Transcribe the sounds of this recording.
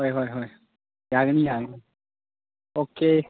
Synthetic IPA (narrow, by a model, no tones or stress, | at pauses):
ɦɔjɦɔjɦɔj | jaɡnijaɡni | oke